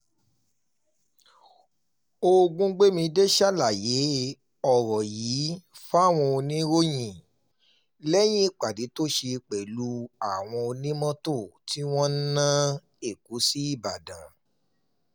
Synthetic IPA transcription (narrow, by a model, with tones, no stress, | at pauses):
o˧ɡũ˦ɡ͡be˦mĩ˧de˦ʃa˦la˨je˨˦ | ɔ˦˨ɾɔ˨jiː˨˦fa˦˨w̃ɔ̃˧o˧nĩ˦ɾo˦j̃ĩ˦˨ | lɛ˦j̃ĩ˦i˦k͡pa˨di˨˦to˦ʃe˧k͡pɛ˨lu˦a˨w̃ɔ̃˧o˧nĩ˦mɔ̃˦to˦˨ti˦w̃ɔ̃˦n̩˦nã˦ | e˦˨ku˨˦si˦i˦˨ba˨dã˨˦